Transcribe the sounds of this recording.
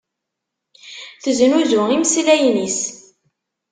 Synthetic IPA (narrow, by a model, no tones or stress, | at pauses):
θəznuðʊiməslæjnis